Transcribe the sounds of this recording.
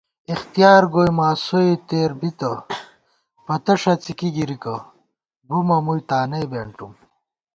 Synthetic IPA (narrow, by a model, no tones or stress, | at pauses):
ixt̪ijaːɾɡoːjmaːsoit̪eːɾbit̪ɐ | pɐt̪ɐʂɐt͡sikiɡiɾikɐ | bumɐmujt̪aːnebeɳʈum